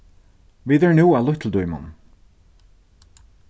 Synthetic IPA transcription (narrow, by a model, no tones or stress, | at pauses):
viðɛɹnuːalʊht̪ʰl̩d̪ujma̰n